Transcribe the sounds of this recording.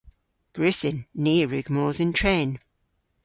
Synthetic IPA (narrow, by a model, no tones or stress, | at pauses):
ɡ̥ɹɪsɪnːiːɹʉɡ̥mɔːzɪ̃ntʰɹeːn